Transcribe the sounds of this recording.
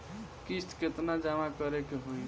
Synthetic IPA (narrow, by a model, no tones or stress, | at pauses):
kist̪ket̪nad͡ʒamakəɾekeɦoj